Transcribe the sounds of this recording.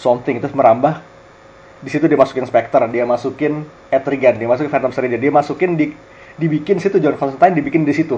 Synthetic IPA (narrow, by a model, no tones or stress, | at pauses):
sɔmt̪ɪŋt̪ʊsməɾambah | disit̪udiamasu̥kɪnspɛk̚t̪ərdiamasukɪn | ɛt̪ɾiɡandiamas̬ukɪnfɛnt̪amsəɾid͡ʒandiamasukɪndi | dibikɪnsit̪ud͡ʒaankɔnsənt̪ajndibikɪndaɾisit̪u